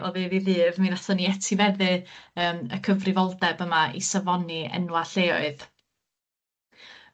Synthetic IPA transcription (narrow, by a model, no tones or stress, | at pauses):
ɔ̰ðeðiðɨːvminatʰɔniɛtʰivɛðɨəːmə̰kʰəvrɪvɔlˠdɛbəmaḭsavɔniɛ̰nwaɬeːɔ̰ɨð